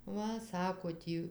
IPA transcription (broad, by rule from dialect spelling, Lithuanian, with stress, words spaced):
ˈʋɐ ˈsɑːkoː ˈtʲiː